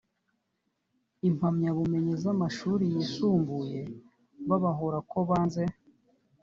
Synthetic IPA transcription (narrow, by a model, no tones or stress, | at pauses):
imhamɲaβume̞ɲezamaʃuːɾijisuːmbuje̞ | βaβaɦoɾako̞βaːnze̞